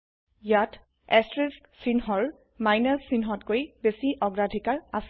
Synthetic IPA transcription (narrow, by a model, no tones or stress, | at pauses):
jat | ɛstɹisksinɦɔɹ | majnasːinɦɔtkojbesiʔɔɡɹadʱikaɹas